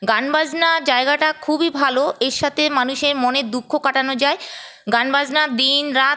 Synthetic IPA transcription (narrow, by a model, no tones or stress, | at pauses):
ɡanbad͡ʑnad͡ʑaeɡaʈakʰubibʱaloeɾʃat̪ʰemanuʃeɾmoned̪ukʰːokaʈanod͡ʑae | ɡanbad͡ʑnad̪inɾa